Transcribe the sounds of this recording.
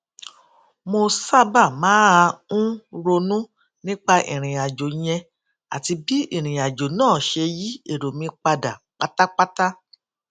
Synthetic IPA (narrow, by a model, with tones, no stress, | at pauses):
mo˧sa˦ba˦˨mãː˨˦a˧ũ˦ɾo˧nũ˦ | nĩ˦k͡pa˦ʔḭ̃˨ɾ̃ĩ˨a˨d͡ʒo˨j̃ɛ̃˧ | a̰˨ti˧bi˦ĩ˦˨ɾ̃ĩ˨a˨d͡ʒo˨nãː˦˨ʃe˧ji˦e˦˨ɾo˨mĩ˧k͡pa˧da˨k͡pa˦ta˦k͡pa˦ta˦